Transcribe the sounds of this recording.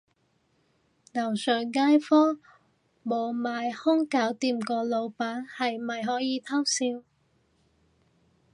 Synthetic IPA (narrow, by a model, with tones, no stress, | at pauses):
nɐ˨˩wsœː˨˩ŋːaː˥jfɔː˥ | mo˨˩wmaː˨˧jhʊ˥ŋkaː˨˥wt̪iː˧mkɔː˧lo˨˧wpaː˨˥nhɐ˨jmɐ˨jɦɔː˨˥jiː˨˧t̪ʰa˥wsiː˧w